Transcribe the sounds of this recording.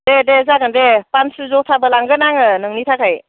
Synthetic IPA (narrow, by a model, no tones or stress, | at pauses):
dedezaɡɯndepansɯzɔtʰabɯlaŋɡɯnaŋɯnɯŋnitʰakʰaj